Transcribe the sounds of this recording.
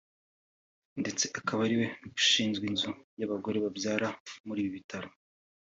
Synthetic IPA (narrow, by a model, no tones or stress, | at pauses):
nde̞t͡se̞ʔakʰaβaɾiwe̞nuɡu̥ʃiːnzɡwinzujaβaɡo̞ɾe̞βabjaːɾamuɾiːβiβitʰaɾo̞